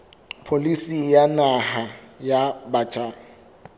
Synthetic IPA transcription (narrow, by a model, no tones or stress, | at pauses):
pʰolisijanahajabaːt͡ʃʰʼa